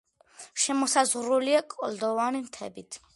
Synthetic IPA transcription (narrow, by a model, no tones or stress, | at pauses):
ʃɛmɔsazʁɾuliakʼɔld̪ɔvanimt̪ʰɛ̰bit̪ʰ